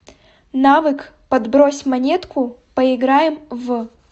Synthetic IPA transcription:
navɨkpɐd̪bɾɔsʲmanʲɛt̪kupɐiɡɾajɛmv

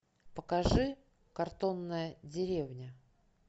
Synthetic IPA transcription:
pəkɐʐɨ | kɐrt̪o̞nːəjədʲɪɾʲevnʲə

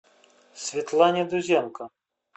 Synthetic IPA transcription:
sʲvʲit̪lˠanʲɛd̪uzʲɛmkɐ

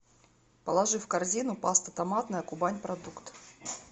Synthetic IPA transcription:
pəlˠɐʐɨfkɐrzʲinʊpast̪ɐt̪ɐmat̪nəjəkʊbanʲpɾɐd̪ukt̪

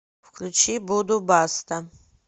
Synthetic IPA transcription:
fkʰlʲut͡ʃʰibud̪ubast̪ʰɐ

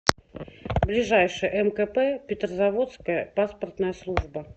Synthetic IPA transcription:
blʲɪʐajʂɨjəʔɛmkɛpɛpʲɪt̪rəzɐvo̞t̪skəjəpaspərt̪nəjəslˠuʐbə

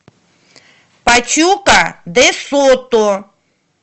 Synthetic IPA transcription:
pat͡ʃukad̪esot̪o

